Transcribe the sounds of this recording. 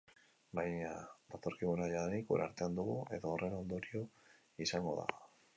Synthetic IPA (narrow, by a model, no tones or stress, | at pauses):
bajɲad̪at̪o̞ɾkiɣunaʎaðaɾiko̰ɾa̰ɾt̪e̞and̪uɣue̞ðoːrʔe̞no̞nd̪o̞ɾio̞ | isaŋɡo̞ða̰